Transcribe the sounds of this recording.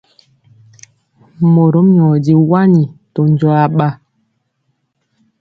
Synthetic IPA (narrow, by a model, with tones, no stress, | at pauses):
mo˨ɾo˦m˦ɲɔ˨di˦wa˦ni˨to˨n˦d͡ʒɔ˦a˦ɓa˦